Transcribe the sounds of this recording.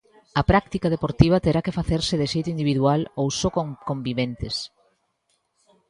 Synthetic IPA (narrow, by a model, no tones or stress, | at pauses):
ɐpɾak̚t̪ikaðepoɾt̪iβɐt̪eɾakɪfaθeɾsɪðeʃejt̪ʊind̪iβiðualowsokokombiβent̪ɪs